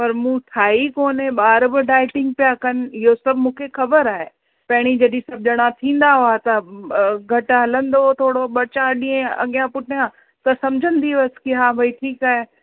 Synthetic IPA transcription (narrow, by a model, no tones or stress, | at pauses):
pɐɾmũːt̪ʰaːikoːneɓaːɾbɪɖaːɪʈɪ̃ŋɡ̚pijakɐnɪ̆ɪɦosɐbʱmũːkʰexɐbəɾaːɦe | pɐɦɪɽ̃id͡ʑɐɗĩsɐb̚ʱd͡ʑəɽ̃ãt̪ʰĩːn̆d̪aɦoaːt̪ɐɡʱɐʈɦɐlə̃nd̪ot̪ʰoːɽoɓɐt͡ɕaɗĩːẽɐ̰ɡijãpʊʈʰjã | t̪ɐsɐmd͡ʑʱə̃n̆d̪iʋɐskiɦaːbʱɐiʈʰiːkaːɦe